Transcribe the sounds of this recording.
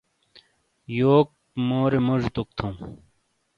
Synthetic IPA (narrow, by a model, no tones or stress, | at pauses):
joːk̚ | moːɾemuʐt̪uk̚t̪ʰũː